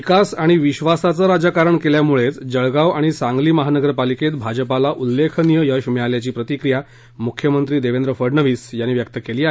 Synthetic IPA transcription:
ikasaɽ̃iʋiɕʋasat͡səɾad͡ʑakaɾəɳkeljamuɭet͡sd͡ʑəɭɡaʋaɽ̃isãŋɡliːməɦanəɡəɾpaliket̪bʱad͡ʑəpalaʔulːekʰənijəjəɕmiɭaljat͡ɕiːpɾət̪ikɾija | mukʰjəmənt̪ɾiːd̪eʋend̪ɾəfəɾɳəʋiːsjanːiːʋjəkt̪əkeliːaɦ

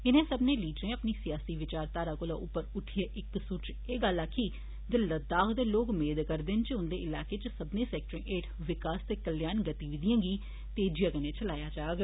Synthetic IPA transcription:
ɪnẽːsəbnẽːliːɖɾẽːəpniːsɪjaːsiːʋɪt͡ʃaːɾt̪aːɾaːkʊla̰ːʔʊpːəɾʊʈʰɪjaːʔɪk̚suːt͡ʃ | eːɡəlːaːkʰːiː | d̪ɪləd̪aːxd̪eːloːkmeːd̪kəɾd̪ɪnt͡ʃəʊnd̪eːɪlaːkeːt͡ʃəsəbnẽːsɛːk̚ʈɾẽːʔeːʈ | ʋɪkaːst̪eːkəljaːnɡət̪iːʋɪd̪ijãːɡiː | t̪eːd͡ʒijãːkəneːt͡ʃəlaːjaːd͡ʒaːɡ

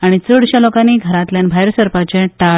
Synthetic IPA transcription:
aɽ̃it͡səɽɕalokaniːɡʱəɾat̪ljanbʱajɾsəɾpat͡ɕɛ̃ʈa

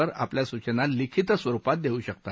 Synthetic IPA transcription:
əɾa̰pljasut͡ɕənalikʰit̪sʋəɾupat̪̚d̪euɕəkt̪a

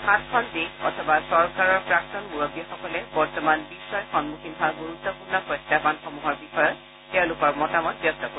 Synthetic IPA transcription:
xatkʰɔldeɔ̰tʰɔbasɔɹkaɹɔɹpɹak̚tɔnmuɹoɡiɔxɔkɔlɛbɔɹtɔmanbisːɔjxɔnmuxinɦʰaɡuɹut̪ːɔpuɹnɔpɹɔjtːapanxɔmuɦɔɹbixɔjɔt | tɛʊ̃lʊkɔɹmɔtamɔt̚bjɔstɔko

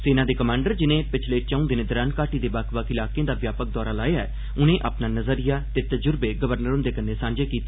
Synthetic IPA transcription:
seːnaːd̪eːkəmãːɳɖəɾd͡ʒɪnẽːpɪt͡ʃʰleːt͡ʃəũd̪ɪnẽːd̪əɾaːnkaːʈiːd̪eːbakʰʋakɪlaːkeãːd̪aːʋjaːpək̚d̪ɔːɾaːlaːeaɛː | ʊnẽːʔaːpnaːnəzəɾijaːt̪eːt̪əd͡ʒʊɾbeːɡəʋəɾnəɾʊ̃nd̪eːkənːeːsãːɲd͡ʒeːkiːt̪e

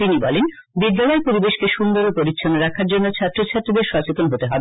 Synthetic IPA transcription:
t̪inibɔ̰len | bid̪ːalɔepoɾibeʃkeʃund̪oɾopoɾitːɕʰonoɾakʰaɾd͡ʑonːot͡ɕʰat̪ːɾot͡ɕʰat̪ːɾid̪eɾʃat͡ɕet̪onɦot̪eɦɔbe

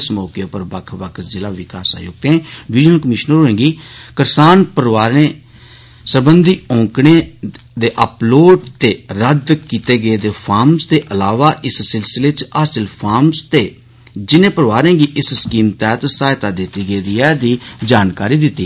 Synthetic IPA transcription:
smoːkepəɾbəkʰʋək̪ʰzɪlaːʋɪka̰ːsa̰ːjo̰ːɡ̚t̪ẽːʋɪʒnəlkəmɪʃnəɾoẽːɡiːkəɾsaːnpəɾʋaːɾẽː | səbənd̪iːɔ̃ːkɳeː | d̪eːʔəploːɖt̪eːɾəd̪kiːt̪eːɡəeːd̪eːpʰaːɾmsd̪eːʔəlaːʋaːʔɪssɪlsɪleːt͡ʃaːsəlpʰaːɾmst̪eː | d͡ʒɪnẽːpəɾʋaːɾẽːɡiːʔɪsskiːmt̪ɛːt̪saːjt̪aːd̪ɪt̪iːɡəeːd̪iːɛːd̪iːd͡ʒaːnkaːɾiːd̪ɪt̪ːiː

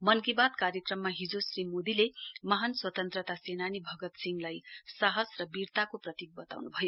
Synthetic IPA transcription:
mʌnkibad̪̚kaɾjʌkrʌmːaɦid͡zosrimod̪ilemʌɦanswʌt̪ʌnt̪rʌt̪asenanibʱʌɡʌt̪siŋɡlajsaɦʌsrʌbirt̪akoprʌt̪ik̚bʌt̪a̰wnubʱʌjo

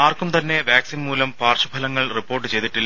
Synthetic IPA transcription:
aːrkumt̪ɐnːe̞ʋjaːksinmuːlɐmpaːrɕubʱɐlɐŋːɐɭripːoːrʈ̬ːɨt͡ɕe̞jt̪iʈːilː

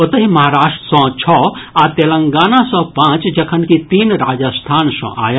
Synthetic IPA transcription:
ət̪əɦimɐɦaːɾaːʂʈəsɔ̃t͡ʃʰɔat̪eːlə̃ŋɡaːnasɔ̃pãt͡ʃd͡ʒɐkʰənkit̪iːnɾaːd͡ʒəst̪ʰaːnsɔ̰̃ʔa̰ːj

